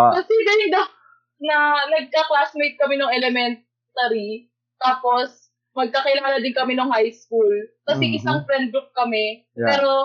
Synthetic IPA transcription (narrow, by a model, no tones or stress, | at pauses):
pɐsiːbɪnɪd̪ɐ | nɐnɐɡ̚kɐklasmejt̪̚kɐmɛnoŋɛlɛmɛnt̪ | t̪ɐɾi | t̪aːpo̞s | mɐɡ̚kɐkɪlaːlɐd̪ɪnkɐmɛnoŋhajskulkɐsiʔɪsaŋfɾɛnd̪ʊk̚kɐmɛ | pɛːɾo̞